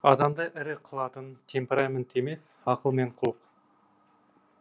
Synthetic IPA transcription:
ɑd̪ɑmd̪ɑʔɪɾɪqʰəlˠɑt̪ənt̪ʲʰempʲeɾament̪emesɑqəlˠme̞ɴqʰʊlˠq

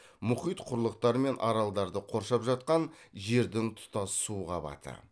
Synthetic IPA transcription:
mʊχijt̪qʰʊɾlˠəq̚t̪ɑɾəme̞nʔɑ̰ɾɑlˠd̪ɑɾd̪əqʰoɾʃɑpʒɑt̪̚qɑnʒe̞ɾd̪ɪŋt̪ʰʊ̥t̪ɑssuːʁɑbɑ̰t̪ʰə̰

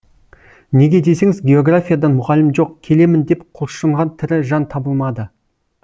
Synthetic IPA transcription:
ne̞ɡʲe̞d̪e̞se̞ŋɪzɡʲe̞o̞ɡrafʲijad̪ɑnmʊʁɑlɪmʒo̞qkʲʰe̞le̞mɪnd̪e̞pqʰʊlˠʃəɴʁɑnt̪ʰɪɾɪʒɑnt̪ʰɑbəlˠmɑd̪ə

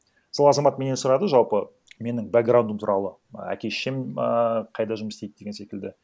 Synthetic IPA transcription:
əsəlˠɑzɑmɑt̪me̞nesʊɾɑd̪əʒɑlˠpə | me̞nɪŋvaɡrɾawnd̪əmt̪ʰuɾɑlˠə | æ̰kʲe̞ʃeməqʰɑjd̪ɑʒʊməst̪ejd̪̚d̪e̞ɡʲense̞kʲɪld̪ɪ

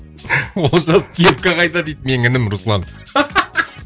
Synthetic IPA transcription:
wolˠʒɑskʲʰep̚kʲɑʁɑjd̪ɑd̪ejd̪me̞ŋɪnɪmɾʊslˠɑn

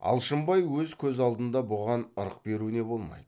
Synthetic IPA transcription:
ɑ̰lˠʃəmbɑjwɵzkʲʰɵzɑlˠd̪ənd̪ɑbʊʁɑnəɾəq̚be̞ɾune̞bo̞lˠmɑ̰jd̪ə

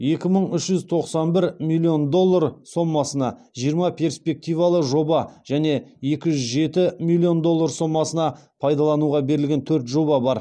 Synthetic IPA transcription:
je̞kʲɪməɴʏʃʒʏzt̪ʰo̞qsɑnbɪɾmilʲˠːio̞nd̪o̞lˠːarso̞mːɑsənɑ | ʒijəɾmɑpʲʰe̞rspe̞k̚t̪ijvɑlˠəʒo̞bɑʒ̥æne̞je̞kʲɪʒʏzʒe̞t̪ɪmilʲːio̞nd̪o̞lˠːarso̞mːɑsənɑpʰɑjd̪ɑlˠɑnuʁɑbe̞ɾɪlɡʲe̞nt̪ʰɵɾt̪ʒo̞bɑbɑɾ

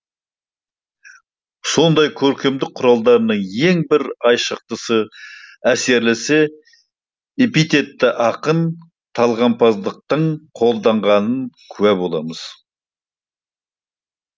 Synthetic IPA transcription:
so̞nd̪ɑjkʲʰɵɾkʲe̞md̪ɪk̚qʰːʊɾɑlˠd̪ɑɾənəɴe̞ŋbɪɾɑjʃəq̚t̪əsəæse̞ɾlese̞ | epit̪e̞t̪ːɪʔɑqən | t̪ʰɑlˠʁɑmpʰɑzd̪əq̚t̪əɴqʰo̞lˠd̪ɑɴʁɑnənkʲʰʉwæbo̞lˠɑməz̥

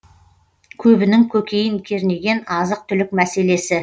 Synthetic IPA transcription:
kʲʰɵbɪnɪŋkʲʰɵkʲe̞jɪŋkʲʰe̞ɾne̞ɡʲe̞nɑzəq̚t̪ʰʏlɪk̚mæse̞le̞sɪ

